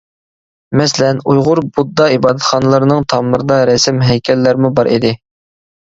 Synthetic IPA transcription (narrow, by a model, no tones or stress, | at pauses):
mɛsɪlɛnujʁʊɾbud̪ːɑibɑːd̪ɛt̪χɑnɨlˠɨɾnɨŋt̪ʰɑmːɨɾɨd̪ɑɾɛsɪmɦɛjkʲʰɛlːæɾmubɑɾʔid̪ɪ